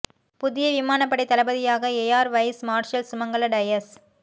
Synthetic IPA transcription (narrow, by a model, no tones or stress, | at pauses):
pʊðɪjɐʋɪmaːnɐpːɐɽɛɪt̪ɐlɐbɐðɪjaːɣɐeːjaːɾʋɐɪsmaːɾʂɐlsʊmɐŋɡɐɭɐɖɐjɐs